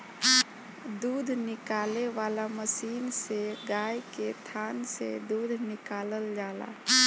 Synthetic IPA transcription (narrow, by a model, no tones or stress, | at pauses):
d̪uːd̪ʱnɪkaːleʋaːlaməsiːnseɡaːjket̪ʰaːnsḛd̪uːd̪ʱnɪkaːləld͡ʒaːla̰ː